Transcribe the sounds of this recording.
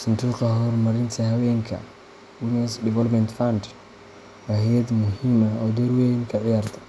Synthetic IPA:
sɐnt̪ʰuːqɐɦɔːrmɐɾɪnt̪ʰɐɦɐwɛːŋkʰɐ̰ | winɛsdɛvɛlpmɛnt̪fɐnd̪ | wahɛjɐd̪mʊɦiːmɐɔːd̪ɔɾwɛnkʰɐʕɪjaːrt̪ʰɐ̥

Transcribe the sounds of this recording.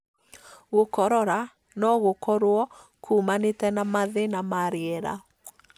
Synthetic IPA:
ɣokɔɾɔɾa | nɔɣokɔɾwɔ | kʰuːmanetɛnamaðenamaɾeɛɾa̰

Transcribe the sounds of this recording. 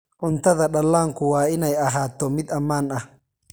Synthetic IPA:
ʔʊnt̪ʰɐðɐɗɐlːaːŋkʊwaːɪnɛjɐɦaːt̪ːɔmɪd̪ɐmːaːnɐh

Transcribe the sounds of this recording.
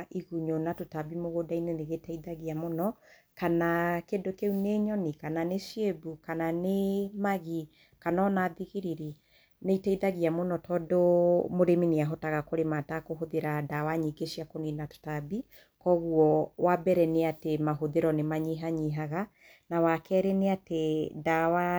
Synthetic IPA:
iɣuɲonatotabimoɣodaineneɣetaiðaɣiamonɔ | kanakedokeuneɲɔnikananeʃiebukananemaɣi | kanɔnaðiɣiɾiɾi | neitaiðaɣiamonɔtʰɔdomoɾemineaɦɔtaɣakoɾematakoɦoðeɾadawaɲiɡeʃiakonenato̥tabi | kɔɣuɔwabɛɾɛneatemaɦoðeɾɔnemaɲiɦaɲiɦaɣa | nawakɛːɾɛneatedawa

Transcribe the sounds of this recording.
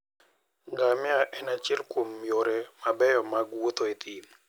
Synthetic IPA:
ŋɡamɪaʔɛnat͡ʃɛlkomːjoɾɛmabɛjɔmaɡwot̪oet̪ʰi

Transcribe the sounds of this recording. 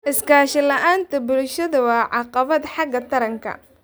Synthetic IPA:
ʔɪskʰaːʃɪlɐʔaːnt̪ʰɐbʊlʃɐðɐwɑːʕɑqɑβɐd̪ħɑɡɐt̪ʰɐɾɐŋkʰɐ̰

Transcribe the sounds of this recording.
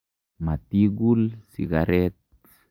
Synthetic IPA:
mat̪iɡulsiɡaɾɛt̪̚

